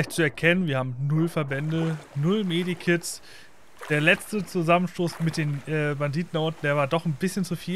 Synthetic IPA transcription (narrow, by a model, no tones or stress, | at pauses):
aɪçtt͡suɛɐkʰɛnənviːɐhaːbm̩nʊlfɛɐbɛndənʊlmeːdikʰɪts | d̥eːɐlɛt͡stət͡suzamənʃtoːsmɪt̚d̥eːnɛːbandiːtn̩ʔɔɐtn̩d̥eːɐvaːɐdɔχnbɪsçənt͡sufiː